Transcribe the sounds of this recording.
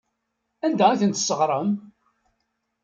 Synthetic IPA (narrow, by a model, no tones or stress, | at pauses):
ænd̪ææθənt̪səʁɾˤəm